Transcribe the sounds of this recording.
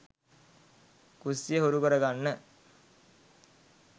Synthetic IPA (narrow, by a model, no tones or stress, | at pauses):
kusːijəɦuɾukəɾəɡanːə